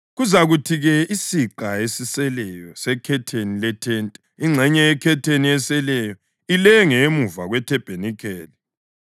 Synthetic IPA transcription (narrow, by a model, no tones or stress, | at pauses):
ɣuzaɣutʰiɣɛisiǃaesisɛlɛjɔsɛkʰɛtʰenilɛtʰɛːntʼɛ | iŋ͡ǁʱɛɲɛɛkʰɛtʰeniɛsɛlɛjɔ | ilɛŋɛmuvaɣwɛtʰɛb̥ʱenikʰɛːli